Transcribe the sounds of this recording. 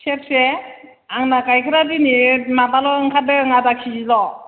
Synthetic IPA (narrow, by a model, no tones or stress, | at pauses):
sep̚se | aŋnakajkʰɯɾadinimabalɔɯŋkʰadɯŋadakʰizilɔ